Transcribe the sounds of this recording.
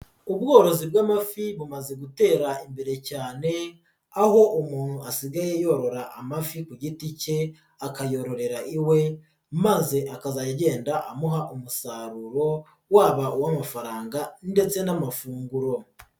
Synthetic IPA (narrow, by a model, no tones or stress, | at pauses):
ubɡo̞ːɾo̞zibɡaːmafiβumaze̞ɡute̞ːɾaimbe̞ɾe̞caːne̞ | aho̞ʔumuːn̥huasiɡaje̞jo̞ɾo̞ɾaʔamafikuɟitice̞ | akajo̞ɾo̞ɾe̞ɾaʔiwe̞ | maze̞ʔakazajɟe̞ːndaʔamuɦaʔumusaɾuɾo̞ | waːβauwamafaɾaːŋɡande̞t͡se̞namafuːŋɡuɾo̞